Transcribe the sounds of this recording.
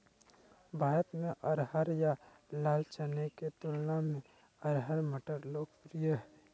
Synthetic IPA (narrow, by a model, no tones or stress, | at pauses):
bʱaːɾət̪mẽʔəɾɦəɾja | laːlt͡ʃəneket̪ʊlnamẽ | əɾɦəɾməʈəɾloːkpɾijəɦɛ